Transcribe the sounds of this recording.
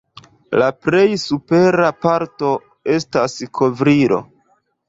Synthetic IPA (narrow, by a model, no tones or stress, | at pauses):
lapɾe̞jsupe̞ɾapaɾto̞ | e̞staskʰovɾiɾo̞̰